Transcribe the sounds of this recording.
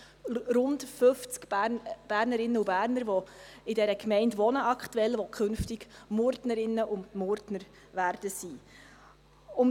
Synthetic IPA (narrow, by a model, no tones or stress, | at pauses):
rʊndfɵft͡skb̥æːɾnəɾɪnːəubæːɾnəɾʋɔɪdɛɾəkmɛɪntʋɔnəɑkχtuɛlʋɔkʰχɵnftɪɡ̥mʊɾdnəɾɪnːəʔʊndmʊɾdnəɾ | ʋæːɾd̥əsi | ʊm